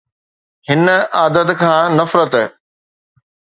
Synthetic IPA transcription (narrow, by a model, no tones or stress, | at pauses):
hɪnəaːd̪ət̪kʰãːnɐfɾət̪ː